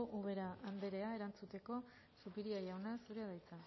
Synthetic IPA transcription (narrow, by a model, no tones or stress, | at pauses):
ʔuɣe̞ɾaʔand̪e̞ɾe̞ae̞ɾant͡sut̪e̞ko̞ | supiɾiajawnasuɾeaðajt͡sa